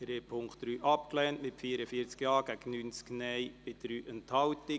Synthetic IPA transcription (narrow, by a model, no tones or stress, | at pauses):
d̥ɾeːpʰʊŋkχt̚ɾyːʔɑpklɛːntmɪtfiːəɾəfiət͡skjɑːɡ̥æɡ̥ən̩ːyːnt͡sknɛɪbɪd̥ɾyːʔənthɑwtɪ